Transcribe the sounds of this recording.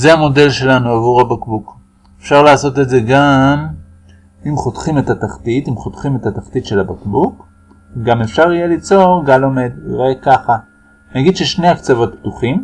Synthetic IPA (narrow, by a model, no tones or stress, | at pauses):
zeamo̞de̞lʃe̞lanuavuʁhabakbuk | efʃaʁlaːso̞t̬etze̞ɡam | imχo̞tχime̞tataχtitimχo̞tχime̞tat̪aχtitʃe̞labakbuk | ɡame̞fʃaʁijelit͡so̞ʁɡalo̞me̞diʁekaχa | naɡidʃeʃne̞akt͡savo̞t̪̚ptuχim